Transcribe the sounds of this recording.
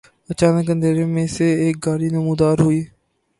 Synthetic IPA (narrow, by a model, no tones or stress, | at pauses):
ət͡ʃaːnəkənd̪eːɾẽːmẽːseːeːk̚ɡaːɾiːnəmũːd̪aːɾɦoiː